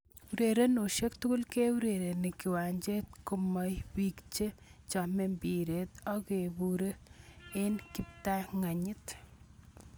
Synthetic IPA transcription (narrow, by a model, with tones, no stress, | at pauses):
u˨ɾe˨ɾe˦no˨ʃe˦kt̪u˦kʊ˦lke˦u˦ɾe˨ɾe˨nɪ˨kɪ˨wa˨ɲd͡ʒe˦t̪̚ko˦ma˨jwi˨kt͡ʃe˦t͡ʃɔ˨me˨mbi˨ɾet̪ɔ˦ke˨buɾe˦e˦nkɪ˨p̚t̪a˦ŋa˨ɲɪ˦t̪